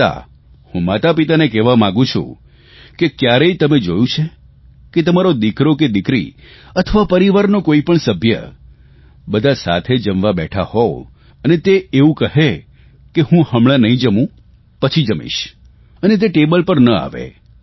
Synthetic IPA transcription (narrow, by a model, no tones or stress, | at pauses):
a̰ | hũmat̪apit̪anekɛʋamãɡũt͡ʃʰṵ̃ | kekjaɾeit̪əmed͡ʒojũt͡ʃʰe | ket̪əmaɾod̪ikɾoked̪ɪkɾḭ | ət̪ʰəʋapəɾiʋaɾnokoipəɳsəbʱjə̰ | bəd̪ʱasa̰t̪ʰed͡ʒəmʋabɛʈʰahɔ | ənet̪eeũkəɦe | kehũhəmɭanəɦĩd͡ʒəmũ | pət͡ʃʰid͡ʒəmḭʃ | ənet̪̬eʈebəlpəɾnəa̰ʋḛ